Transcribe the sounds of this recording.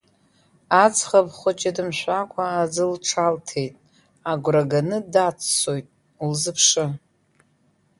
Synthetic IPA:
at͡sʰχapχʷʊt͡ʃʼadɨmʃʷᶣakʷʰʼaːd͡zɨlʈ͡ʂʰaltʰe̞jtʼ | aɡʷraɡanɨdat͡sʰsojtʼ | ulzɨpʰʂɨ

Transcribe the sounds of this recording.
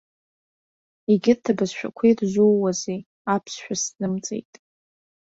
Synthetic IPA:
iɡʲɪrtʰabazʃᶣa̰kʷʰijrʒʷuwwaze | apʰsʃʷᶣasnɨmt͡sʼḛjtʼ

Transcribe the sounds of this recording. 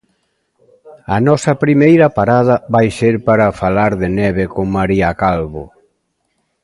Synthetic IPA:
ɐnɔsɐpɾimejɾɐpaɾað̞ɐβajseɾpaɾɐfalaɾðɪnɛβekoŋmaɾiakalβo̰

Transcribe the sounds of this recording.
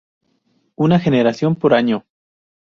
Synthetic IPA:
unaxe̞ne̞ɾasjo̞mpoɾaɲo

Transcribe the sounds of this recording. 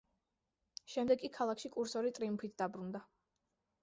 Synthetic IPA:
ʃɛmd̪ɛɡkʼikʰalˠakʰʃikʼuɾsɔɾit̪ʼɾiumpʰit̪ʰd̪abɾund̪a

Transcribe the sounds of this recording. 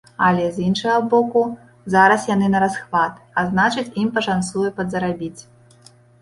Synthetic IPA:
alʲɛzjinʂɐɣɐbɔku | zaɾɐsjanɨnɐɾasxvat̪aznat͡ʂɨt͡sʲimpɐʂansujupɐd̪zɐɾabʲit͡sʲ

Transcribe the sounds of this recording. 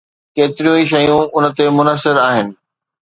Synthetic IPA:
keːt̪ɪɾijũiʃ̬ɐjũʊnə̆t̪emʊnəsɪɾaːɦɪnɪ̆

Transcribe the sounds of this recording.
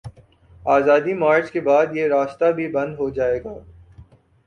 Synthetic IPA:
aːzaːd̪imaːɾt͡ʃkebaːd̪jeɾaːst̪abʱibɐ̃nd̪ɦod͡ʒaːeːɡaː

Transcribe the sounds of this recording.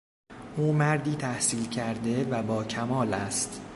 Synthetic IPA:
ʔuːmæɾd̪iːt̪ʰæhsiːlcʰæɾd̪e̞væbɒːcʰæmɒːlæst̪

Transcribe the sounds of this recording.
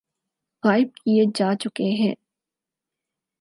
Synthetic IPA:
ɣaːɪb̚kied͡ʒaːt͡ʃʊkeɦɛ̰̃ː

